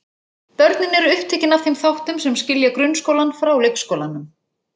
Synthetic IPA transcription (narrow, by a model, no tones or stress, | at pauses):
pœɾt̪nɪnɛɾʏhpt̪ʰɛːhcɪnafθejmθawht̪ʏmsɛmscɪljakɾʏnskoːwlanfɾawlekskoːwlanʏm